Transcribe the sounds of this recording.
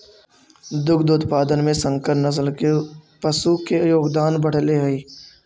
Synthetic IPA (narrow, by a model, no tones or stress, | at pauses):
d̪ʊkʰd̪uːt̪paːd̪ənmẽsə̃ŋkəɾnəzlke | pəsuːkejoːɡd̪aːnbəɽ̤leɦɐiː